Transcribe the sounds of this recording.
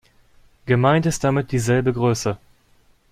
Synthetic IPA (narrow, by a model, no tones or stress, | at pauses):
ɡ̥əmaɪntɪst̚d̥amɪt̚d̥iːzɛlbəɡʁøːsə